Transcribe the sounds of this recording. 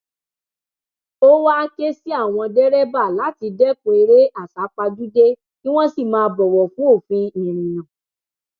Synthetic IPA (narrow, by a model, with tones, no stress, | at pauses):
o˦wa˦ke˦si˦a˦˨w̃ɔ̃˧dɛ˦ɾɛ˦ba˦˨la˨˦ti˧dɛ˦ko˧e˧ɾe˦ʔa˦˨sa˨˦k͡pa˧d͡ʒu˦de˦ | nĩ˦w̃ɔ̃˦si˦˨mãː˧bɔ˨wɔ˨fũ˦o˦˨fĩ˧nĩ˨ɾ̃ĩ˨nã˨